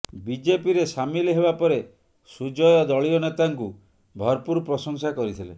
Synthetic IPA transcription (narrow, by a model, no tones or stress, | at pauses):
bid͡ʒepiɾesamilɦebapɔɾe | sud͡ʒɔjɔd̪ɔɭiɔnet̪aŋku | bʱɔɾpuɾpɾɔsɔŋsakɔɾit̪ʰilḛ